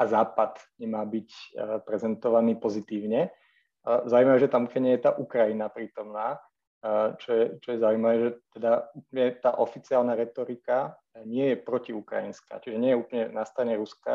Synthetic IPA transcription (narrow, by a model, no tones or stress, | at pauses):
azaːpad̪ɲɛmaːbicpɾɛzɛnt̪ɔʋaniːpɔzit̪iːʊɲɛ | zauiːmaʋɛʒɛt̪amukɛɲɛjɛt̪aːʔukɾajinapɾiːt̪ɔmnaː | t͡ʃɔjɛt͡ʃɔjɛzauimaʋɛːʒɛt̪ɛd̪aupɲɛt̪aːʔɔfit͡siaːlnaɾɛt̪ɔɾika | ɲɪɛjɛpɾɔciukɾa̰jinska̰ːt͡ʃiʒɛɲɪɛjɛuplɲɛnast̪ɾaɲɛɾuska̰